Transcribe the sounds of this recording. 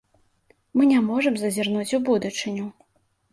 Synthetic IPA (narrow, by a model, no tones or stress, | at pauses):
mɨnʲamɔʐɨmzɐzʲirnut͡sʲubud̪ut͡ʂɨnʲu